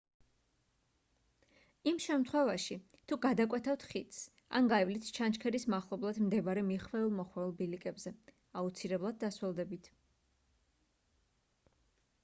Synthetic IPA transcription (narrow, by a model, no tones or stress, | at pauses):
imʃɛmt̪ʰχwɛvaʃi | t̪ʰuɡad̪akʼwɛt̪ʰaft̪ʰχit̪s | a̰nɡaɛvlit̪ʰt͡ʃʰant͡ʃkʰɛɾismaχlˠɔblˠad̪̥md̪ɛbaɾɛmiχvɛulˠmɔχwɛulˠbilikʼɛbzɛ | aut̪sʰilɛblˠad̪̚ːaswɛlˠd̪ɛbit̪ʰ